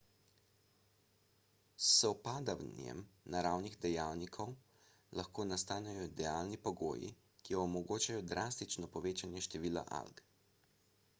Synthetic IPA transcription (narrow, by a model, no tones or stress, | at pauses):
sɔpaːd̪awnjɛ̰mnaɾawniɣd̪ɛjaːwnikʰɔw | laxkoːnast̪aːnɛjɔd̪ɛjaːlnipɔɡo̰ːjḭ | kijɔːmɔɡoːt͡ʃajɔd̪ɾʔaːst̪it͡ʃnɔpɔʋeːt͡ʃanjɛʃt̪ɛʋiːla̰ʔa̰lɡ